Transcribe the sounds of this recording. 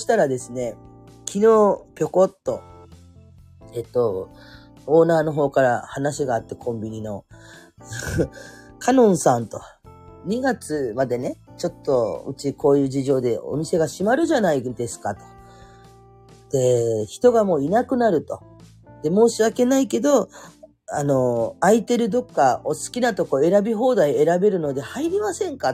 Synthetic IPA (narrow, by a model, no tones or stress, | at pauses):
oɕi̥t̪aɾad̪e̞sɨne̞ | kʲʰino̞ːpʲo̞ko̞t̪ːo̞ | et̪ːo̞ | o̞ːnaːno̞ɦo̞ːkaɾa̰hanaɕiɡaːt̪ːe̞kʰõ̞mbʲiɲ̟ino̞ | kʰanõ̞ɰ̃sãnt̪o̞ | ɲ̟iɡat͡sɨmad̪e̞ne̞t͡ɕo̞t̪ːo̞ɯ̟̰t͡ɕiko̞ːjɯ̟ːʑiʑo̞ːd̪e̞o̞̰mʲise̞ɡaɕimaɾɯ̟ʑanaid̪e̞sɨ̥kat̪o̥ | d̪̥e̞çi̥t̪o̞ɡamo̞ːinakɯ̟naɾɯ̟t̪o̞ | d̪̥e̞mo̞ːɕiβake̞naike̞d̪o̞ | ano̞ait̪e̞ɾɯ̟d̪o̞kːao̞sɨ̥kʲinat̪o̞ko̞e̞ɾabʲiɦo̞ːd̪aie̞ɾabe̞ɾɯ̟no̞d̪e̞haiɾʲimasẽ̞ŋka